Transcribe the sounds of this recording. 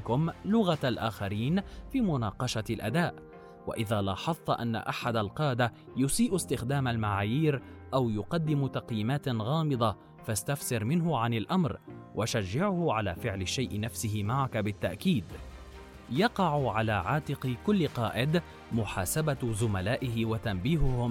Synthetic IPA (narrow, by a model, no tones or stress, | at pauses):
kʊmlʊɣaalʔaːxaɾiːnfiːmʊnɑːqɑʃalʔa̰d̪aːʔ | wa̰ʔɪðaːlaːħɑθˤːɑʔanːa̰ʔaħad̪alqɑːd̪a | jʊsiːʔst̪ɪxd̪aːmalmaʕaːjiːɾ | ʔawjʊqɑd̪ːɪmt̪ɑqjiːmaːt̪ɣɑːmɨd̪ˤɑ | fast̪afsɪɾmɪnɦʊʕanɪlʔamɾwʔaʃaʒːɪʕʊhʊʕalaːfɪʕlɪʃːajʔɪnafsɪɦɪmaʕakabɪt̪ːaʔkiːd̪ | jɑqɑʕʊʕalaːʕaːt̪ɪqkʊlːɪqɑːʔɪd̪ | mʊħaːsabazʊmalaːʔɪɦɪwat̪ambiːɦʊhʊm